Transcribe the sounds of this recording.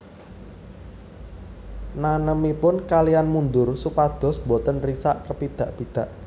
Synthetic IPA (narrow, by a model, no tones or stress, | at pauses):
nanəmipʊnkalijanmund̪ʊrsupad̪̥ɔ̤sbot̪ənrisaʔkəpid̪̥a̤ʔb̥id̪̥ä̤ʔ